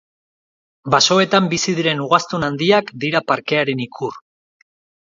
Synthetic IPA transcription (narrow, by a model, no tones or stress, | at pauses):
baso̞e̞t̪ambisiðiɾe̞nuɣ̞ast̪unand̪iakd̪iɾapaɾke̞aɾe̞nikʰur